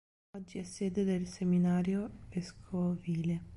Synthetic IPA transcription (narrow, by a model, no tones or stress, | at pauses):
ɔd͡ʒːiɛsːeːd̪ed̪elseminaːɾjoveskʰoviːle